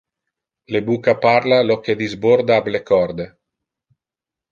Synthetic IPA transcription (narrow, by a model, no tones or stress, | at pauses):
lebuːkapaɾlaloked̪izboɾd̪aablekɔɾd̪e